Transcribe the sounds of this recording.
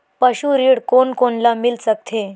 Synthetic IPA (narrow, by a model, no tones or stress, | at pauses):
pəɕuɾiɽkonkonlamilt͡sək̚t̪ʰe